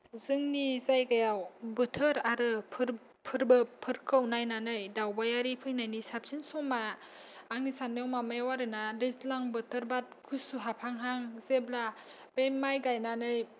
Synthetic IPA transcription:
zɯŋnizajɡajawbɯtʰɯɾaɾɯpʰɯɾ | pʰɯɾbɯpʰɯɾkʰɯwnajnanɯjdawbajaɾipʰɯjnajnisap̚sinsɔmaː | ŋnisanːewmamajwaɾɯnadestlaŋbɯtʰɯɾbat̚kʰustuɦapʰaŋɦaŋzebla | b̥emajɡajnanɯj

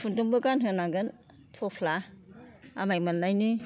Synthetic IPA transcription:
pʰuntuŋbɯkanɦɯnaɡɯn | tʰopʰla | amajmanlajnɯ

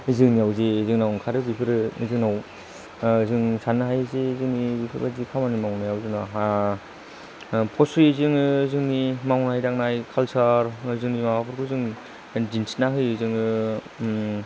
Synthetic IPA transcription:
izɯŋniawzezɯŋnawkʰaɾɯbipʰɯɾɯizɯŋnaw | zɯŋsʰanɯɦajzezɯŋnibipʰɯɾbazikʰamanimawnajawzɯŋna | pʰɔsizɯŋzɯŋnimawnɦajdaŋ̚najkʰalsaɾzɯŋnimawapʰɯɾkʰuzɯŋ | dinsnaɦɯjɯzɯŋɯ

